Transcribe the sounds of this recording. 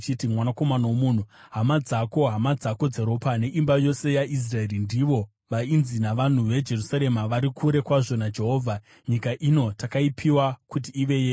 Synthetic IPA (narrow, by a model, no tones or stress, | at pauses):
t͡ʃitimwanako̞manaomun̤uɦamad͡zako̞ɦamad͡zako̞d͡zeɾo̞pane̞ʔimbajo̞se̞jais̬rae̞ɾindiʋo̞ | ʋainzinaʋan̤uʋe̞d͡ʒe̞rusaɾe̞maʋaɾikʰuɾe̞kwaʐo̞nad͡ʒe̞ɦo̞ːvʱa | ɲikaʔino̞takaipʰiwakut̬iːʋe̞je